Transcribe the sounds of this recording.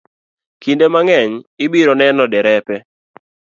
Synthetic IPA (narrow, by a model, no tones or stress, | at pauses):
kindemaŋɛɲɪbiɾɔnɛnɔdɛɾɛpɛ